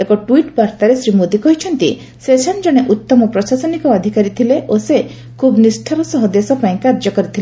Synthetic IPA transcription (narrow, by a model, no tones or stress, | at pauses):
ekɔʈwiʈbaɾt̪aɾesɾimod̪ikɔɦit͡ʃʰɔnt̪i | sesɔnd͡ʒɔɽ̃eʔut̪ːɔmɔpɾɔsasɔnikɔːd̪ʱikaɾit̪ʰileʔose | kʰubnisʈʰaɾɔsɔɦɔd̪esɔpaĩkaɾd͡ʒɔkɔɾit̪ʰile